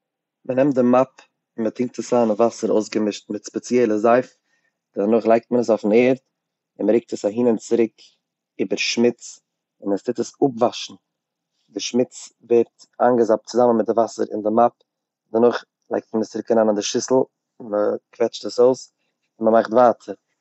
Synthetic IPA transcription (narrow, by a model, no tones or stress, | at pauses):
mənɛmtdɪmap | ɪmətɪŋk̚təsaːnavasəɾo̰ʊsɡəmɪʃtmɪtspɛt͡sjɛlˠəzaɪf | d̥ɛnʊχlˠaɪk̚t̚mənəsofn̩eːɾt̚ | ɪnməɾɪk̚təsaɦiːnənt͡sɪɾɪk | iːbəɾʃmɪt͡s | ɪnəstɪtəsʊpvaʃn̩ | dɪʃmɪt͡svɛɾt | a̰ŋɡəzap̚t͡sʊzamənmɪt̚dɪvasə̰ɾɪ̰ndɪmap̚ | dənʊχ | lˠa̰ɪk̚tmənəst͡sɪɾɪkaɾaːnandɪʃɪsl̩ˠ | məkvɛt͡ʃtəsoʊs | ɪnməmaχtvaːtʰəɾ